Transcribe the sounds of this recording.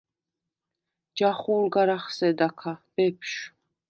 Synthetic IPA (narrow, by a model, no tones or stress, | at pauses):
d͡ʒaχunɡaɾaχsɛd̪akʰab̥ɛpʰʃ